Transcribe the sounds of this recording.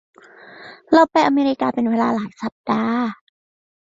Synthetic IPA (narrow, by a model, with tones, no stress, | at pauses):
la˧wpa˧jʔa˧meː˧ɾi˦˥kaː˧pe˧nweː˧laː˧laː˨˩˦jsa˨˦p̚daː˧